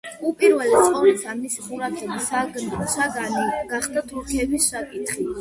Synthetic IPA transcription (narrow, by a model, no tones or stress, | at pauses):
upʼiɾvɛlit̪χɔvɛsamisiχuɾat̪ʰʼɛbisaɡnsaɡaniɡaχd̪at̪ʰuɾkʰɛbissʃakʼit̪ʰχi